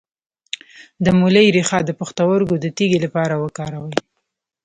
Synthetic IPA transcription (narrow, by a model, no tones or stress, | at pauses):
d̪əmuləjɾixɑd̪əpəxt̪awəɾɡod̪ət̪iɡelapɑɾawəkɑɾawəj